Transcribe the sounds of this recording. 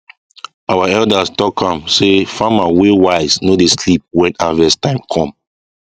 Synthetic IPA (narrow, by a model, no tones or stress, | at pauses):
awaɛldastɔkʰãmsefãmawewaɪznodeslip̚wɛ̃navɛstãɪ̃mkʰɔ̃m